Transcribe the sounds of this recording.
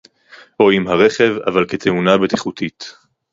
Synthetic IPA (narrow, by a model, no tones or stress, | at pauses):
ʔoimɦaʁeχe̞va̰valket̪ʰe̞unabet̪iχut̪ʰit̪